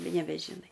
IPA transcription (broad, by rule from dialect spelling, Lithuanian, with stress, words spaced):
nʲɛbʲɛʒʲɪˈnɐɪ